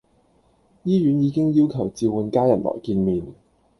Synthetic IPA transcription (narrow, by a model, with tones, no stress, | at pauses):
jiː˥ɥyː˨˥njiː˨˧kɪ˥ŋjiː˥wkʰɐ˨˩wt͡siː˧wu˨˧nkaː˥jɐ˨˩nlʔɔ̰ː˨˩jkiː˧nmiː˨n